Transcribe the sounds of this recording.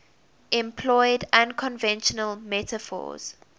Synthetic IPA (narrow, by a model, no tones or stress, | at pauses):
ʔɛ̃mpʰlɔɪdãnkʰɔ̃nvɛ̃nʃənəlmɛtəfɔ̰ːz̥